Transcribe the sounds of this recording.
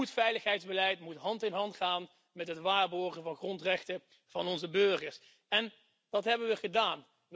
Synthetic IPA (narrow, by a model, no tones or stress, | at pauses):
utfɛjləχɦɛjdzbəlɛjtmutɦɑntɪnɦɑntχaːn | mɛtɦətʋaːɹbɔɹχənvɑnχrɔntrɛχtə | v̥ɑnɔnzəbøɹχəɹs | ɛn | d̥ɑtɦɛbəʋəχədaːn